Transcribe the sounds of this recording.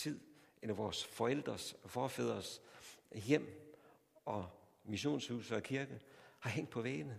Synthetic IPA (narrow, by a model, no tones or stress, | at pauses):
t͡sʰið̰ˠʔenɐʋɒːsfɒ̽el̰d̥ʁɐsfɒːfɛð̞̰ˠʁɐs | jem̰ | ɒ̽miɕo̝̰ːnshuːsəɒ̽kʰiɐɡ̥əhɑ̈ɦeŋ̰d̥pʰɒ̽ʋeːnə